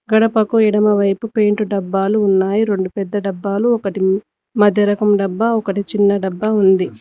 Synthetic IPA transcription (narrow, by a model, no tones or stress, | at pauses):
ɡɐɽɐpɐkuiɽɐmɐʋɐjpupe̞ːɳʈuɖɐbːaːluːnːaːjiɾe̞ɳɖupɛd̪ːɐɖɐbːaːluɔkɐʈi | mɐd̪ʱjɐɾɐkɐmɖɐbːɐɔkɐʈit͡ʃinːɐɖɐbːɐund̪i